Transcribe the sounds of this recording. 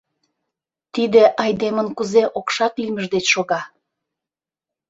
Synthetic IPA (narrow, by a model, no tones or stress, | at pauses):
t̪id̪eʔɑjd̪emənkuzeʔokʃɑk̪ilʲməʒd̪et͡ɕʃoɣɑ